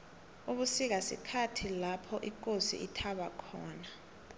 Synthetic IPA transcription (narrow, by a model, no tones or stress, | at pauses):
uɓusik̬asḭkʰatʰilapʰɔʔik̬ʼosḭʔitʰaɓakʰɔːna